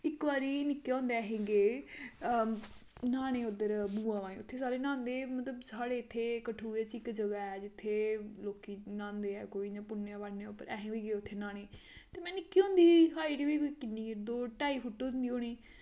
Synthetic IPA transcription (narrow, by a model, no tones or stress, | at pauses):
ɪkbaːɾiːnɪkːeõːnd̪eːɦẽːɡeː | naːɽ̃eːʊd̪əɾbuːãːʋaːĩːʊt̪ʰːeːsaːɾeːnãːnd̪eːmət̪ləbsaːɽeːɪt̪ʰːeːkəʈʰuːeːt͡ʃɪkd͡ʒəɡaːɛːd͡ʒɪt̪ʰːeːloːkiːnãːnd̪eːɛ̰ːkoːiːd͡ʒãːpʊnːeãːbaɽneʊpːəɾɛːɦẽːʋiːɡeːʊt̪ʰːeːnaːɽ̃eːt̪eːmɛ̃ːnɪkːiːõːnd̪iːɦaːiːʈiːʋiːkːikɪnːiːd̪oːʈaːiːpʰʊʈːoːnd̪iːoːɽ̃iː